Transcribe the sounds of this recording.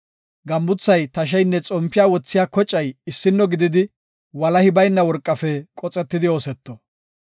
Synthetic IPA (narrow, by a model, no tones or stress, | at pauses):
ɡɐmbʊt͡sːɐjt̪ɐʃ̬ɛjnːɛt͡sʼɔmpːɪjaːwɔt͡sːɪjaːkɔt͡ʃʼːɐjɪsːɪnːɔɡɪd̪ɪd̪ɪ | wɐlɐhɪbɐjnːɐwɔɾkʼːɐfɛkʼɔt͡sʼɛt̪ːɪd̪ɪo̞ːsɛt̪ːɔ